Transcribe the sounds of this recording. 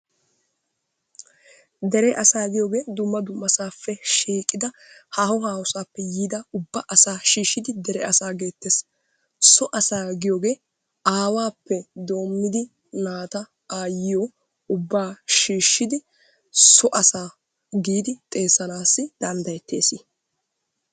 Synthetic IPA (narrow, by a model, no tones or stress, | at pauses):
d̪ɛɾɛʔɐsaːɡɪjoːɡe̞ːd̪ʊmːɐd̪ʊmːɐsaːfːɛʃiːkʼːɪd̪ɐ | haːhɔhaːhʊsaːpːɛjiːd̪ɐʊbːɐʔɐsaːʃiːʃːɪd̪ɪd̪ɛɾɛʔɐsaːɡe̞ːt̪ːeːs | sɔʔɐsaːɡɪjoːɡe̞ː | aːwaːpːɛd̪o̞ːmːɪd̪ɪ | naːt̪ɐ | aːjɪjɔ | ʊbːaːʃiːʃːɪd̪ɪ | sɔʔɐsaː | ɡiːd̪ɪt̪ʼe̞ːsɐnaːsːɪd̪̥ɐnd̪ɐjɛt̪ːe̞ːsɪ